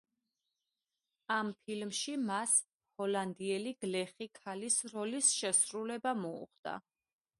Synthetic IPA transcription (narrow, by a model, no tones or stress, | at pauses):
ampʰilmʃimas | hɔland̪iɛliɡ̥lɛχikʰalisɾɔlisʃɛsɾulɛbamɔṵχd̪a̰